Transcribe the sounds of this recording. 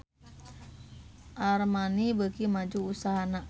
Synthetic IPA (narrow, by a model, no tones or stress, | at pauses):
ʔarmanibəɡimad͡ʒuusaɦana